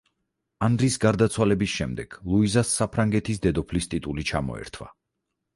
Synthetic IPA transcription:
and̪ɾisɡaɾd̪at̪sʰwalɛbisʃɛmd̪ɛɡ̥lˠuizasːapʰɾaŋɡɛt̪ʰisd̪ɛd̪ɔpʰlist̪ʼit̪ʼulit͡ʃʰamɔ̰ɛ̰ɾt̪ʰwa̰

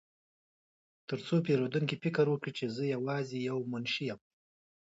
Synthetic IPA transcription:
t̪əɾt͡sopeɾod̪uŋkipɪkəɾwəkɽit͡ʃezəjawɑzijawmʊnʃijam

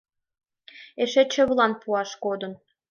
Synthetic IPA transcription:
eʃet͡ɕə̆βlɑnpuɑʃkod̪ə̆n

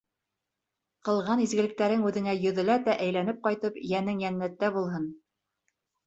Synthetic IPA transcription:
qɤ̆lˠʁɑnizɡɘ̆lɘ̆k̚t̪æɾɘŋʉðɘ̆ŋæjɵ̆ðɘ̆læt̪æʔæjlænɘp̚qɑjt̪ɤpjænɘŋjænːæt̪ːæbulˠɦɤn

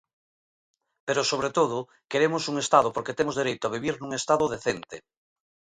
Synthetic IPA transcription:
peɾosoβɾet̪oð̞ʊ | keɾemʊsuŋest̪aðopoɾket̪emozðeɾejt̪ʊaβ̞iβ̞iɾnũŋest̪aðʊðeθent̪e

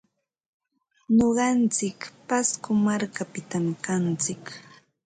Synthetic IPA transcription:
ɲoɢɑnt͡sɪkpaskʊmaɾkapɪt̪amkant͡sɪk

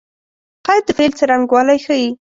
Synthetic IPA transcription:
qɑjt̪̚ːəfelt͡səɾaŋɡwɑlajxəji

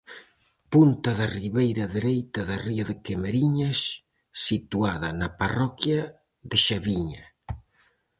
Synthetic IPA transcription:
punt̪ɐðariβejɾɐðeɾejt̪ɐðariaðɪkemeɾiɲɐs | sit̪uaðɐnɐparɔkja | ðɪʃaβiɲa

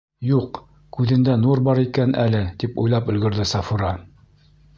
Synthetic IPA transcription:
juq | kʉðɘ̆nd̪ænuɾbɑɾikænælɘt̪ipṵjlˠɑpɵ̆lɡɘ̆ɾðɘsɑfuɾɑ

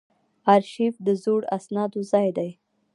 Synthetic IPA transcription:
ɑɾʃifd̪əzoɽasnɑd̪ozɑjd̪aj

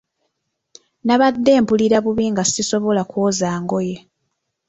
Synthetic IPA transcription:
naβad̪ːe̞ːmpuliɾaβuβiːŋɡasiso̞βo̞lakwoːzaːŋɡo̞je̞

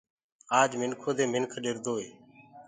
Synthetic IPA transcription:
aːd͡ʒmɪnkʰoːd̪eːmɪnkʰɗɪɾd̪oːɦeː

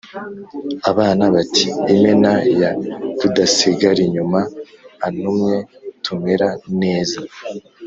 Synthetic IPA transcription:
aβaːnaβatʰiimenajatudasiɡaɾiɲumaː | numɲe̞tʰume̞ɾane̞ːza

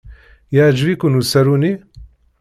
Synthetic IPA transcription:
jad͡ʒvikunusɐɾuni

